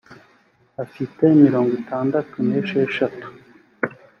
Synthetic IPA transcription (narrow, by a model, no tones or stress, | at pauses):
afitemiɾo̞ːŋɡitʰaːndatuneʃeʃatu̥